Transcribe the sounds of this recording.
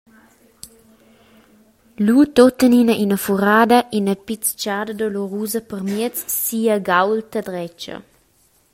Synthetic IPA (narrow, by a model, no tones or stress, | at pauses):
lut̪ot̪əninəʔinəfuɾaːd̪əʔinəpit͡st͡ʃaːdəd̪ɔloɾuːzəpərmiət͡sːiːəɡawlt̪əd̪ɾɛt͡ʃɐ̰